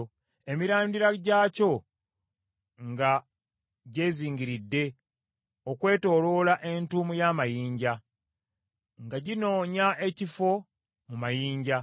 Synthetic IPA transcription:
e̞miɾaːndiɾaɟaːco̞ | ŋɡa | ɟe̞ːziːɲɡiɾidːe̞ | o̞kwe̞ːto̞ːlo̞ːlaʔe̞ntuːmujaːmajiːɲɟa | ŋɡaɟino̞ːɲaʔe̞cifo̞ | mumajiːɲɟa

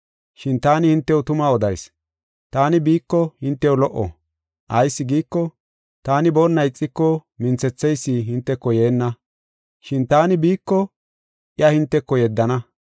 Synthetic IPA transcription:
ʃɪnt̪aːnɪhɪnt̪ːɛwʊt̪ʊmaːɔd̪ɐjs | t̪aːnɪbiːkːɔhɪnt̪ːɛwlɔʔːɔ̰ | ʔɐjsːɪɡiːkːɔ | t̪aːnɪbɔnːɐjt͡sʼːɪkːɔmɪnt͡sɛt͡sːɛjsːiɦɪnt̪ːɛkːɔje̞ːnːɐ | ʃɪnt̪aːnɪbiːkːɔ | ʔɪɐhɪnt̪ːɛkːɔjɛd̪ːɐnɐ

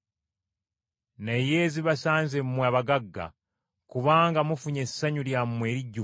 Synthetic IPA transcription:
nejeːziβasaːnzemmwaːβaɡaɡːa̰ | kuβaːŋɡamufuɲe̞saɲuljamumwe̞ːɾiɟːu

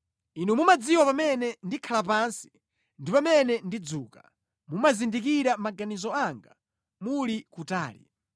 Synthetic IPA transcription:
inumumad͡ziwapamɛnɛndikʰalap̬ansi̥ | ndipamɛnɛndid͡zuːka | mumazindik̬iɾamaɡanizɔaŋɡa | mulikutaːlḭ

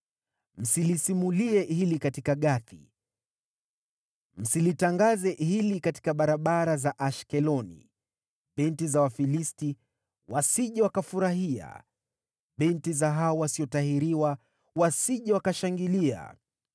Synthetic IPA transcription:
m̩silisimuliɛhilikatikaɠaθḭ | m̩silitaŋɡazɛhilikati̥kaɓaɾaɓaɾazaʔaʃkɛlɔnḭ | ɓɛntizawafilisti | wasiʄɛwakafuɾaɦia̰ | ɓɛntizaɦaɔwasiɔtahiɾiwa | wasiʄɛwakaʃaŋɡilia̰

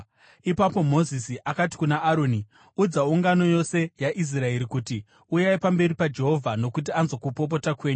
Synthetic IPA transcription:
ipapo̞mo̞zisiʔakati̥kunaːɾo̞ni | ud͡zauŋɡano̞jo̞se̞jaʔis̬rae̞ɾikuti | ujaipambe̞ɾipad͡ʒe̞ɦo̞vʱano̞kut̬ianzo̞kupo̞p̬o̞takwe̞ːɲu

